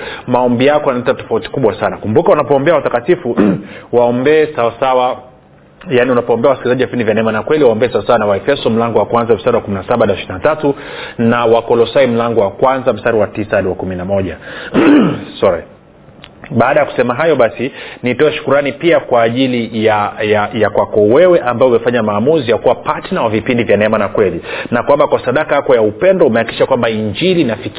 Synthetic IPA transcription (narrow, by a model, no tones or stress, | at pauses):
maɔmbijakɔanalɛtatɔ̥fauti̥kuɓwasanakumbukaunapɔːmbɛawatakatifuwaɔmbɛːsawasawa | janiunapɔɔːmbɛawasi̥kilizaʄiwafindivjanɛmanakwɛliwaɔmbɛɛsawasawanawaɛfɛsɔm̩laŋɡɔwakwanzam̩staɾiwakuminasaɓanaʃiinatatu | nawakɔlɔsaim̩laŋɡɔwakwanzam̩staɾiwatisaaɾiwakuminamɔʄa̰ | sɔɾɛ̰ | ɓaːɗajaku̥sɛmaɦajɔɓasinitɔɛʃu̥kuɾanipiakwaːʄilijajajakwakɔwɛwɛʔambaɔumɛfaɲamaːmuzijakuwapatinawavipindivjanɛmanakwɛlinakwambakwasaɗakaakɔjaupɛndɔumɛaki̥ʃakwambaiɲd͡ʒilinafik